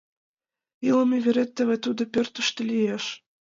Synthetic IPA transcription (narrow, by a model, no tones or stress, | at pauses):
ilˠɤ̆mʲeβʲeɾʲet̪ʲːɘvɘ̆t̪ud̪ɤ̆pʲørʲt̪ɘ̆ʃt̪ɘ̆lʲijeʃ